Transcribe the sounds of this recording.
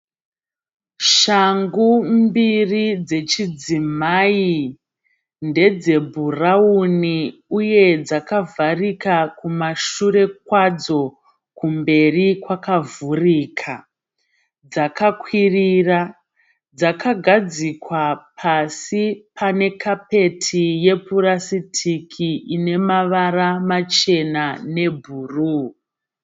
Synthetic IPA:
ʃaŋɡumbirid͡ze̞t͡ʃid͡zimai | nde̞d͡ze̞bʱurauniuje̞d͡zakavarikakumaʃure̞kwad͡zo̞ | kumbe̞rikwakavuriːkʰa | d͡zakakwirira | d͡zakʰaɡʱad͡zikwapʰasipane̞kʰape̞tʰije̞puɾasitʰikʰiine̞maʋaramat͡ʃe̞nane̞bʱuːru

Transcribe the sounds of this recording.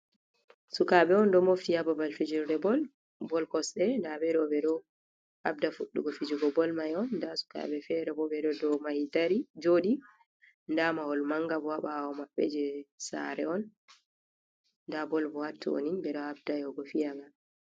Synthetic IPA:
sukaɓɛɔndɔmoftiababalfid͡ʒiɾdɛbɔl | bɔlkɔsɛndabɛɾɔbɛɗɔ | ab̚dafuɗːuɡɔfid͡ʒuɡɔbɔlmajɔnːdasu̥ka̰ɓɛfɛɾɛbɔbɛɗɔdɔmahitaɾid͡ʒoɗi | ndamahɔlmaŋɡabɔwaɓaɔmabːɛ̰d͡ʒɛsa̰ɾɛɔn | dabɔlbɔhatːṵwo̰ninbɛɗɔabdajɔɡɔfijaɡa

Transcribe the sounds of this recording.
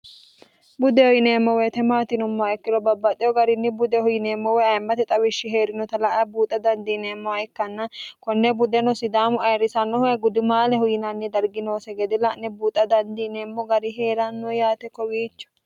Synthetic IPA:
bʊd̪ɛhɔjɪneːmːɔwet̪ɛmaːt̪ɪnʊmːɔɛkːɪɾɔbɐbːɐt̪ʼːɛɔɡɐɾɪnːɪbʊd̪ɛhʊjɪneːmːɔwɛɐjmːɐt̪ɛt̪ʼɐwɪʃːɪɦeːɾɪnɔt̪ɐlɐʔɐbuːt̪ʼːɐd̪ɐnd̪iːneːmːɔɐɛkːɐnːɐkɔnːɛbʊd̪ɛnɔsɪd̪aːmʊɐjɾɪsɐnːɔhɡʊd̪ɪmaːlɛhʊjɪnɐnːɛd̪ɐɾɡɪnoːsɛɡɛd̪ɛlɐʔnɛbuːt̪ʼɐd̪ɐnd̪iːneːmːɔɡɐɾɪɦeːɾɐnːɔjaːt̪ɛkːɔwiːt͡ʃːɔ̥

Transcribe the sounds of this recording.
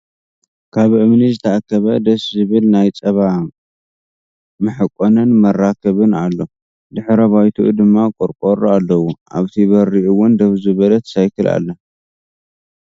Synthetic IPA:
kʰaβʔɨmnizɨt̪ʰɐʔakʰːɐβɐd̪ɐszɨβɨlnajt͡sʼɐβa | mɨħɨkʼonɨnmɐrakʰɐβɨnalːo̞ | d̪ɨħɾɐβajt̪ʰuʔd̪ɨmːakʼɔɾkʼoɾalːɐwuʔa̰βt̪ʰiβɐɾiʔuwʊnd̪ɐβzɨβɐlɐt̪sajkʰɨla̰lːɐ

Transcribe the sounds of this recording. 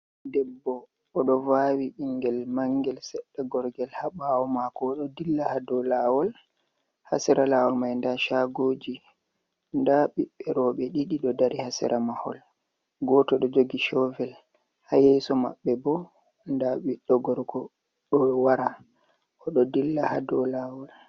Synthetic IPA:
dɛbːɔː | ɗɔvawiɓiŋɡɛlmaŋɡɛlsɛɗːaɡɔɾɡɛlhaɓawɔmakɔːɗɔdilːahadɔlaːwɔl | ha̰sɛɾalawɔlmajndaʃaɡoːd͡ʒi | ndaɓiɓːɛɾɔɓɛɗiɗiɗɔdaɾihasɛ̰ɾʔamahɔ̰l | ɡɔtɔɗɔd͡ʒoɡiʃɔvɛl | hajɛjsɔma̰ɓːɛbɔ | ndaɓiɗɔɡɔɾɡɔ | ɗɔwaɾa | ʔɔɗɔdilːaha̰dɔlawɔl

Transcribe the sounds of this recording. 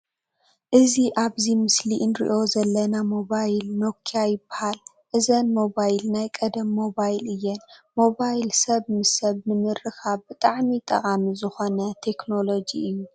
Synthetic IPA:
ʔɨziʔaβzimɨsliʔɨnɾḭʔo̞zɐlːɐnamo̞βajlnokʰːiajɪbːahal | ʔɨzɐnmo̞bajlnajkʼɐd̪ɐmːo̞bajlɨjːɛnmo̞βajlsɐβnɨsɐβnɨmɨrːɨkʰaβbɨt̪ʼaʕmit̪ʼɐ̰kʼamizɨxo̞nɐt̪ʰe̞kno̞lo̞d͡ʒiɨjːu

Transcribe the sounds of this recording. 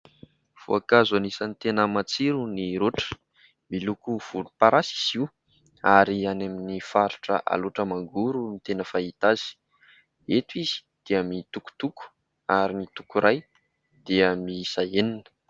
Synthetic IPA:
v̥o̰akazanisanit̪enəmat͡siɾuniɾoʈ͡ʂə̥ | milukuv̥ulupaɾʔasi̥z̥iw | aɾianaminifaɾu̥ʈ͡ʂə̰ʔa̰loʈ͡ʂəmaŋɡuɾunit̪enəfait̪az̥i̥ | et̪izi̥d̪̥eəmit̪uku̥t̪uku̥ | aɾinit̪u̥kuɾaj | d̪̥eəmisaeninə̥

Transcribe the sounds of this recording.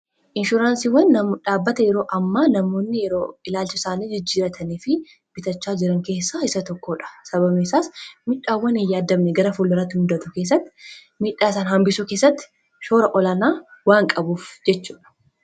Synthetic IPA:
ʔɪnʃʊɾaːnsiːwːɐnːɐmᶑaːbːɐt̪ɐjɛɾo̞ːʔɐmːaːnɐmo̞ːnːɪjɛɾoːɪlaːlt͡ʃɪsaːniːd͡ʒɪd͡ʒːiːɾɐt̪ʰɐniːfɪ | b̥ɪt̪ɐt͡ʃːaːd͡ʒɪɾɐŋke̞ːsːaɪsɐt̪ɔkːoːᶑɐ̥sɐβɐmɛsaːsmɪᶑːaːwːɐnɪjːaːd̪ːɐmnɛɡɐɾɐfulːɐɾat̪ːɪmʊd̪ɐt̪ʊke̞ːs̬ːɐt̪ːɪ̥ | miːᶑaːsaːnhɐmbɪsukeːsːɐt̪ːɪ̥ | ʃo̞ːɾɐʔɔlɐnaːwaːŋkʼɐbuːfd͡ʒɛt͡ʃːuːᶑɐ̥

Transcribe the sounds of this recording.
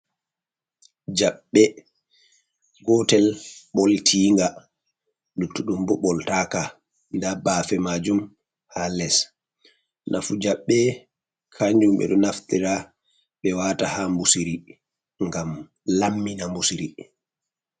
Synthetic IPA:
d͡ʒaɓːɛ | ɡɔtɛlɓɔltʰiːŋɡa | nutːuɗumbɔɓɔltaka | ndabaːfɛmad͡ʒum | halɛs | nʔa̰fud͡ʒaɓːɛ | kʰaɲd͡ʒumbɛ̰ɗɔnaftiɾa | ɓɛwaːtahambusiɾi | ŋɡam | lamːinambusiɾi

